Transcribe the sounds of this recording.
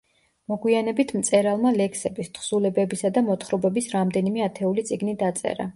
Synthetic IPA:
mɔɡwianɛbit̪ʰmt̪sʼɛɾalˠmalɛksɛbist̪ʰχsulɛbɛbisad̪amɔt̪χɾɔbɛbisɾamd̪ɛnimɛat̪ʰɛulit̪sʼiɡnid̪at̪sʼɛ̰ɾa

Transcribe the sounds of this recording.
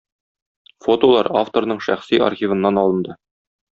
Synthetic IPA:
fo̞t̪olˠɑ̰ɾaft̪o̞ɾnɤɴʃæχsia̰rχʲivɤ̆nːɑnɒlˠɤ̆nd̪ɤ

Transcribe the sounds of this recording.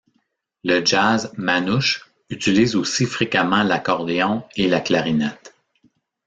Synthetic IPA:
ləd͡ʒazmanʊʃ | yt͡siliːzosifʁekamɑ̃lakɔʁd̪eɔ̃elaklaʁinɛt̪

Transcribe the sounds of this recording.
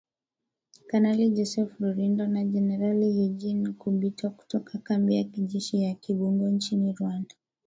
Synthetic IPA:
kanalid͡ʒɔsɛfɾɔɾindɔnad͡ʒɛnɛɾalijud͡ʒinkuɓitʰɔku̥tɔkʰakambiakiʄɛʃijakiɓuŋɡɔnt͡ʃiniɾuwanda

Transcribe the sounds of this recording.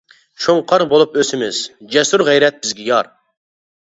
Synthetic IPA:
ʃoŋqʰɑɾbolˠupøsɪmɪz̥d͡ʒɛsuɾʁɛjɾɛt̪̚b̥ɪzɡʲɛjɑɾ

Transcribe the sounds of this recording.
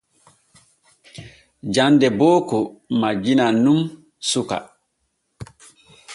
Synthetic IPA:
d͡ʒandɛbɔːkɔmad͡ʒinanum | suka̰

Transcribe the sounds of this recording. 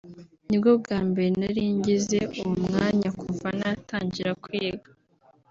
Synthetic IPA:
nibɡo̞b̚ɡaːmbe̞ɾenaɾiːɲɟize̞uumŋaːɲakuɱvanataːɲɟiɾakwieɡḁ

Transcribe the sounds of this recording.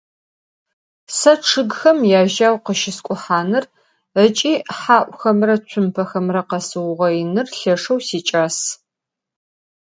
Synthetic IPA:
sɐʈ͡ʂʰɨɡxɐmjaːʒaːwqəʃɪskʷʼʊħaːnɨr | ət͡ʃʼiːħaːʔʷʼxɐmrɐt͡ʃʷʰʊmpʰɐxɐmrɐqɐsɨwʊʁɐjɪnɨrɬɐʂɐwsiːt͡ʃʼaːs

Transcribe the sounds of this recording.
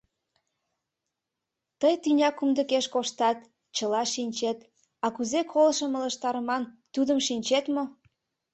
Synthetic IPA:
t̪əjt̪ynʲɑkumd̪əkeʃkoʃt̪ɑt̪ | t͡ɕəlɑʃinʲt͡ɕet̪ | ɑkuzekʰolʃəmə̆lə̆ʃt̪ɑɾəmɑnt̪ud̪əmʃinʲt͡ɕet̪mo

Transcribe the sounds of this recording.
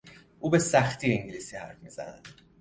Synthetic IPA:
ʔuːbe̞sæxt̪ʰiːeŋɟilisiːhæ̰ɾfmiːzæ̰næ̰d̪̥

